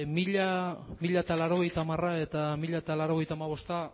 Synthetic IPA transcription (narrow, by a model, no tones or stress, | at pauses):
miʎamiʎaet̪alaɾo̞ɣ̞e̞jt̪aːmarae̞t̪amiʎat̪alaɾo̞ɣe̞jt̪amaβ̞o̞st̪a